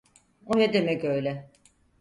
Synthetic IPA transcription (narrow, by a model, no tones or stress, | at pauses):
onɛd̪emɛcø̞jlʲɛ